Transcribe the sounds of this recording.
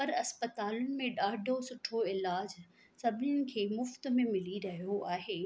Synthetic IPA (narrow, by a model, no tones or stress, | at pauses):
pɐɾɐspət̪aːlʊnɪ̆mẽɗaːɖʱosʊʈʰoɪlaːd͡ʑ | sɐbʱɪnɪʊnɪ̆kʰeːmʊft̪mẽmɪliɾɐɦijoaːɦeː